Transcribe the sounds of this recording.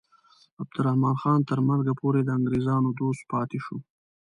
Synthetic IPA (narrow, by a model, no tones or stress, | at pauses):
ab̚d̪ʊɾahmɑːnxɑːnt̪əɾmanzɡapoːɾed̪əaŋɡɾeːzɑːnod̪oːst̪̚pɑːt̪eʃo